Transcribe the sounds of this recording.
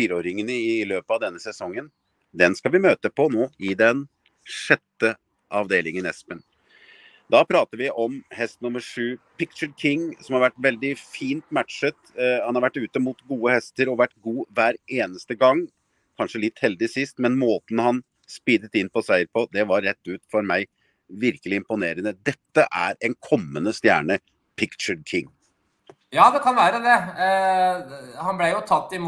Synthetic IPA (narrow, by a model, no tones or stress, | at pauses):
fiːɾəoːɾɪŋənəɪløːpəɑʋd̪ɛnːəsɛsɔŋːən | d̪ɛnskɑʋɪmøːt̪əpʰɔnoːɪd̪ɛn | ʂɛt̪ːə | ʔɑʋd̪eːlɪŋənɛ̰spən | d̪ɑpʰɾɑːt̪əɾʋɪʔɔmhɛst̪nʊməʂʉːpʰɪk̚t͡ʃəɾkʰɪŋːsɔmhɑɾʋæʈːʋɛld̪ɪfiːnt̪mæt̪ʂət̪hɑnhɑɾʋæʈːʉːt̪əmuːt̪ɡuːəhɛst̪əɾɔʋæʈːɡuːʋæːɾeːnəst̪əɡɑŋː | kʰɑnʂəlɪt̪ːhɛld̪ɪsɪst̪mɛnmoːt̪n̩hɑn | spiːd̪ət̪ɪnpɔsæɪəɾpʰɔd̪ɛʋɑɾːɛt̪ːʉːt̪fɔɾmæɪ | ʋɪɾkəlɪɪmpʊneːɾənəd̪ɛt̪ːəʔæ̰ɾɛnkʰɔmːənəst̪jæ̰ːɳə | pʰɪkt͡ʃəɖkʰɪŋː | jɑːd̪ɛkʰɑnʋæːɾəd̪ɛ | hɑnblɛjʊt̪ʰɑt̪ːɪm